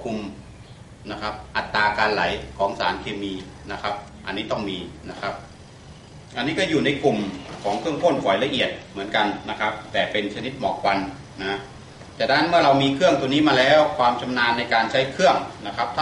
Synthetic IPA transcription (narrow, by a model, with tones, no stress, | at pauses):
kʰu˧m | na˦˥kʰa˦˥p̚ʔa˨˩t̪ːaː˧kaː˧nla˩˦jkʰɔː˩˦ŋsa̰ː˩˦nkʰeː˧miː˧ | na˦˥kʰa˦˥p̚ | ʔa̰˧nːiː˦˥t̪ɔ˥˩ŋmiː˧na˦˥kʰa˦˥p̚ | ʔa˧nːiː˦˥kɔː˥˩juː˨˩na˧jku˨˩mkʰɔː˩˦ŋkʰɯ˥˩əŋk̪ʰo˥˩nfʰɔː˨˩˦jla˧ʔi˨˩ət̪̚mɯ˩˦ənka˧nna˦˥kʰa˦˥p̚t̪ɛː˨˩pe˧nt͡ɕʰa˧ni˦˥t̪̚mɔː˨˩k̚wa˧n | na˦˥ | t̪ɛː˨˩da˦˥nmɯ˥˩ɐɾa˧wmiː˧kʰɯ˥˩əŋt̪u˧niː˦˥maː˧lɛː˦˥wkʰwaː˧mt͡ɕʰa˧mnaː˧nːa˧jkaː˧nt͡ɕʰa˦˥jkʰɯ˥˩əŋna˦˥kʰa˦˥p̚t̪ʰa˥